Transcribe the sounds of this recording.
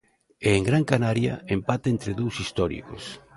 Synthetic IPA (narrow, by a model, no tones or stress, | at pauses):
eːŋɡɾaŋkanaɾja̰empat̪aent̪ɾeðowsist̪ɔɾḭko̰s